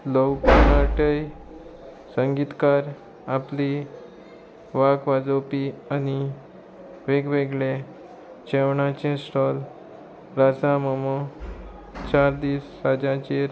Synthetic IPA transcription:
lɔwkənaʈəj | səŋɡit̪kaɾ | apli | ʋakʋad͡zopiani | ʋeɡʋeɡɭe | t͡ɕewɳat͡ɕẽsʈɔl | ɾasãməmɔ | t͡ɕaɾd̪iːsɾad͡ʑãt͡ɕeɾ

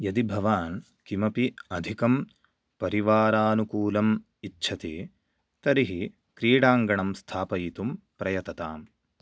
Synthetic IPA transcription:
jɐd̪ibʱɐʋaːn | kimɐpiɐd̪ʱikɐm | pɐɾiʋaːɾaːnukuːlɐm | itːʃʰɐt̪i | t̪ɐɾiɦi | kɾiːɽaːŋɡɐɳɐmst̪ʰaːpɐjit̪um | pɾɐjɐt̪ɐt̪aːm

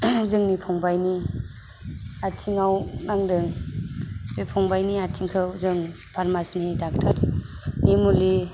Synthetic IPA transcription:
zɯŋnipʰɔŋbajni | atʰiŋawnaŋdɯŋ | bepʰɔŋbajniatʰiŋkʰɯwzɯŋ | pʰaɾmasnidak̚tʰaɾ | nimuli

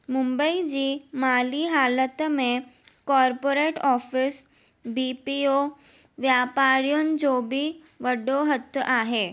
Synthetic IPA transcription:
mumbəid͡ʑiːmaliːɦalət̪mekɔɾpoɾeʈɔfis | bipio | ʋjapaɾjund͡zobiː | ʋəɽoɦət̪ːəʔaɦe

